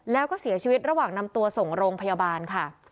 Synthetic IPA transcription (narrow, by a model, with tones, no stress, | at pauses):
lɛː˦˥wkɔː˥˩si˨˩˦ɐt͡ɕʰi˧wi˦˥t̪̚ɾa˧waː˨˩ŋna˧mt̪u˧ɐso˨˩ŋɾoː˧ŋpʰa˧jaː˧baː˧nkʰa˥˩